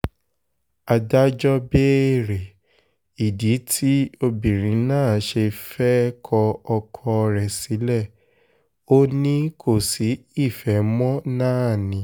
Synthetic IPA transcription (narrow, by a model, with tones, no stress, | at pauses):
a˧da˦d͡ʒɔ˦be˦˨ɾe˨ | i˨di˨˦tʰi˦o˧bĩ˨ɾ̃ĩ˨˦nãː˦˨ʃe˧fɛ˦kʰɔ˧ɔ˧kʰɔ˧ɾɛ˨si˨˦lɛ˦˨ | o˦nĩ˦kʰo˦˨si˨˦i˦˨fɛ˨˦mɔ̃˦nãː˦˨nĩ˨˦